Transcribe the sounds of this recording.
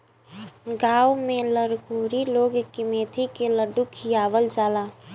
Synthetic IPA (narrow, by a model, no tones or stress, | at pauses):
ɡaːwmẽləɾkuːɾiloːɡkimeːt̪ʰikeləɖukʰijaːʋəld͡ʒaːlaː